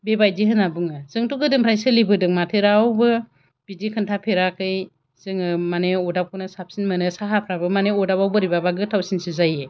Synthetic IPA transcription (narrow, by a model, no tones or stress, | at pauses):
bebajdiɦɯnabɯŋɯzɯŋtuɡɯdɯŋpʰɾajsɯlibɯdɯŋmatʰeɾawbɯ | b̥idikʰɯntʰapʰeɾakɯj | z̥ɯŋɯmaneɔdap̚kunɯsap̚sinmɯnɯsaɦapʰɾabɯmaneɔdapawbɯɾibabaɡɯtʰawsinsɯzaje